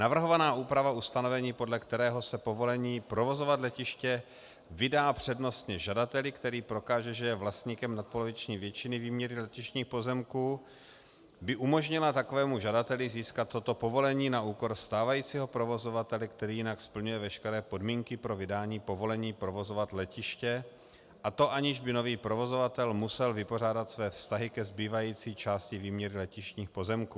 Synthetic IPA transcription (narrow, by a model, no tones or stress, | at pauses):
navr̩ɦo̞vanaːʔuːpɾavaust̪ano̞vɛɲiːpo̞dlɛkt̪ɛɾɛːɦo̞sɛpo̞vo̞lɛɲiːpɾo̞vo̞zo̞vat̪lɛcɪʃcɛ | vɪdaːpr̝̥ɛdno̞st̪ɲɛʒadat̪ɛlɪkt̪ɛɾiːpɾo̞kaːʒɛʒɛjɛvlast̪ɲiːkɛmnat̪̚po̞lovɪt͡ʃɲiːvjɛt͡ʃɪnɪviːmɲɛɾɪlɛcɪʃɲiːxpo̞zɛmkuː | bɪʔumo̞ʒɲɪlat̪akovɛːmuʒadat̪ɛlɪziːskat̪ːo̞t̪o̞po̞vo̞lɛɲiːnaʔuːko̞ɾst̪aːvajiːt͡siːɦo̞pɾo̞vo̞zo̞vat̪ɛlɪkt̪ɛɾiːjɪnakspl̩ɲujɛvɛʃkɛɾɛːpo̞dmiːŋkɪpɾo̞vɪdaːɲiːpo̞vo̞lɛɲiːpɾo̞vo̞zovat̪lɛcɪʃcɛ | ʔat̪o̞ʔaɲɪʒbɪno̞viːpɾo̞vo̞zo̞vat̪ɛlmusɛlvɪpo̞r̝aːdat̪svɛːfst̪aɦɪkɛzbiːvajiːt͡siːt͡ʃaːscɪviːmɲɛɾɪlɛcɪʃɲiːxpo̞zɛmkuː